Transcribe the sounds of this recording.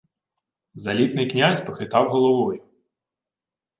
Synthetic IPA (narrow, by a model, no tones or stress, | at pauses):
zɐlʲit̪nɪjknʲasʲpɔxɪt̪ɑwɦɔlˠɔʋɔjʊ